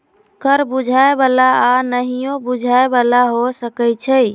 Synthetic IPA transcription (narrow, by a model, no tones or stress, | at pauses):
kəɾbud͡ʒʱaebalaːnəɦijõbud͡ʒʱaebalaɦosəkəjt͡ʃʰəj